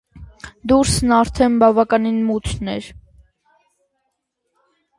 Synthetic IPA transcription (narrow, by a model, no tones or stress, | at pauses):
d̪uɾsnɑɾt̪ʰɛnbɑvɑkɑninmut̪ʰnɛɾ